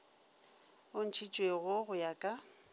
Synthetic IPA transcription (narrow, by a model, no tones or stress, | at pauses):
ʊn̩t͡ʃʰit͡ʃʼweɣʊɣʊjakʼa